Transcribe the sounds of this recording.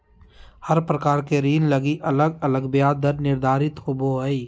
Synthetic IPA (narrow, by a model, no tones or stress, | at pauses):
həɾpɾəkaːɾkeɾiːnləɡiʔələɡələɡbjaːd̪əɾnɪɾd̪ʱaːɾɪt̪hoboɦəi